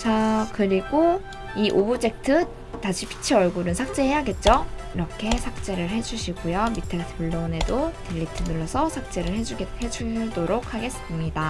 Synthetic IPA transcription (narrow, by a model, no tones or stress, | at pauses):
t͡ɕakɯɾiɡo | iʔobud͡ʑe̞k̚tʰɯ | taɕʰipʰi̥t͡ɕʰiʌɭɡuɾɯnsʰak̚t͡ɕ͈e̞hejaɡe̞t̚t͡ɕ͈oiɾʌkʰe̞sʰak̚t͡ɕ͈e̞ɾɯɭɦe̞d͡ʑuɕʰiɡujomitʰepuɭːone̞dotiʎːitʰɯnuɭːʌsʰʌsʰak̚t͡ɕ͈e̞ɾɯɭhed͡ʑuɡehed͡ʑudoɾok̚haɡe̞sɯmɲida